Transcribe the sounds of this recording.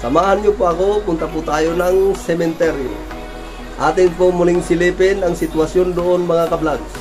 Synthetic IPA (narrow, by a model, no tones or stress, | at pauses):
samaːɦanɲʊpoɐkokʊnt̪aput̪aːjonaŋsɛmɛnt̪ɛɾjo̰ | ʔaːt̪ɪŋpomulɪŋsɪlipɪnaŋsɪt̪wasjond̪oʔonmaŋakɐblaɡ̚